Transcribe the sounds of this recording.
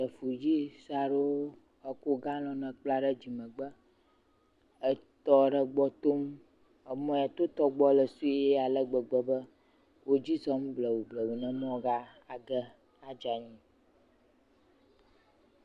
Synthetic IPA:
ə˨fu˨d͡ʑi˦sa˨ɖo˦ | ə˦ko˦ɡa˦lɔ̃˨nə̃˨k͡pla˦ɖə˦d͡ʑi˨mə̃˨ɡ͡bə˦ | ə˦t̪ɔ˦ɖə˦ɡ͡bɔ˦t̪o˦m | ə˨mɔ̃˦ja˨t̪o˦t̪ɔ˦ɡ͡bɔ˦lə˨su˦ɛ˦a˨lə˦ɡ͡bə˨ɡ͡bə˦bə˦ | wo˦d͡ʑi˦zɔ˦m˦blə˨wu˨blə˨wu˨nə̃˦mɔ̃˦ɡa˦a˨ɡə˦ | a˦d͡ʒa˨ɲĩ˦

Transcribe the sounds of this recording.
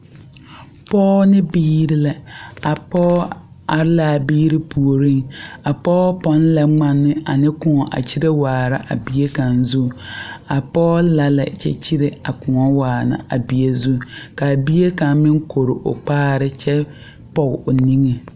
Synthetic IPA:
pɔː˦nɪ̃˦biː˦ɾi˦lɛ˨a˨pɔː˦ | a˨ɾlaː˨biː˦ɾi˦pʰu˨o˨ɾĩ˦ŋa˨pɔː˦pɔ̃˦n˦lɛ˨ŋ͡mã˦nːʊ̃˦a˨nɪ̃˦kʊ̃˨˦ɔ˨ʔa̰˨t͡ɕʰi˦ɾe˦waː˨ɾa˦ʔa˨bi˦e˦kã˨nzu˦a˨pɔː˦la˨lɛ̰˨t͡ʃɛ̰˦t͡ɕʰi˦ɾe˨a˨kʰʊ̃˨ŋɔ˦waː˨nã̰˨a˨bi˨e˨zu˦ka˨bi˦e˦kã˨mɪ̃˦ŋkʰo˨ɾʊ˨ʔʊ̰˨k͡paː˦ɾɪ˦t͡ʃʰɛ˦ | pɔ˨ʊ˨nĩ˦ŋe˨

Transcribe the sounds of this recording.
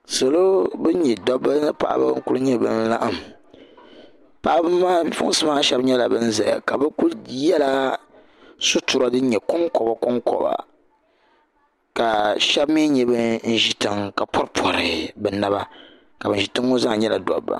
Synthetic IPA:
so˨lo˦bɨ˦ɲɛ˨dɔ˦bːa˦nɨ˦pa̰˨ʔba̰˦ŋ̩˦ku˦lɨ˦ɲɛ˦bɨ̰˨n˦la˦ʔɨ˦˨m | pa˨ʔbɨ˦ma˦fʊ̰˦ŋ˦sɨ˦maː˦ʃɛ˦bɲɛ˦la˨bɨ˦n̩˦zɛ˨a̰˨ka˨bɨ˦ku˦ljɛ˦la˦ | sʊ˦tu˨ɾa˦dɨ˦ɲɛ˨kʊ˦ŋkɔ˨ba˦kɔ˦ŋkɔ̰˨ba̰˨ | ka˨ʃɛ˦bmi˦ɲɛ˨bɨ˦n̩˦ʒi˦tɨ˨ŋka˨pʰɔ˦ɾpʰɔ˨ɾɨ˨bɛ˨na˦ba˦ | ka˨bɨ˨n̩ʒi˨tɨ˦ŋːo˦za˦ŋ˨˦ɲɛ˦la˨dɔ̰˨bːa̰˨

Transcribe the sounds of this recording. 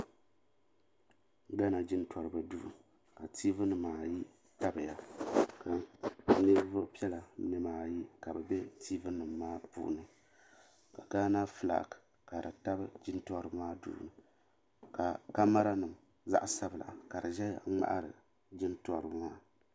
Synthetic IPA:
ɡa˦na˨d͡ʒɪ˦ntʰɔ˨ɾɨ˨ba˨du˦ʔu˨ | ka˨tʰi˦vɨ˦nɨ˨mːaː˨ji˦ | ta˦bɨ˨ja˨ka˨nɨ˦bvʊ˦ʔpi˦ɛ˦la˨˦nɨ˦maː˨ji˦ka˨bɨ˨bɛ˦tʰi˦vɨ˦nɨ˨mːaː˦pṵ˦ʔnɨ˦ | ka˨ɡaː˦na˦fɨ˦˨la̰˨k | ka˨dɨ˨ta˦bɨ˦d͡ʒɪ˦ntɔ˦ɾɨ˦maː˦dṵ˨ʔnɨ˨ | ka˨ka˦ma˦ɾa˦nɨ˨m | za̰˦ʔsa˦bɨ˨la̰˨ka˨dɨ˨ʒɛ˦ja˦˨˦ŋ͡ma̰˦ʔa̰˦ɾɨ̰˨ | d͡ʒɪ˦ntɔ˦ɾɨ˨bmaː˦

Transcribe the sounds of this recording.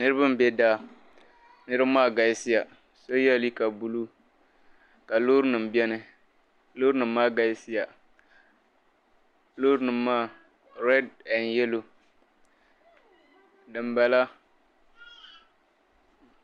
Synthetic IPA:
nɨ˦ɾɨ˦ba˦m˨bɛ˦daː˦ | nɨ˦ɾɨ˦bmaː˦˨ɡa˨˦sɪ˦ja˨ | so˦jɛ˦˨li˦ka˨bu˦lu˦ | ka˨lo˦ɾnɨ˨m˨bɛ˦nɨ˦ | loː˦ɾnɨ˨m̩ː˦aː˦ɡa˨˦sɪ˦ja˨ | lo˦ɾnɨ˨mːaː˦˨ | ɾɛ˦dɛ˨njɛ˦lo˨ | dɨ˨m˨ba˨la˦

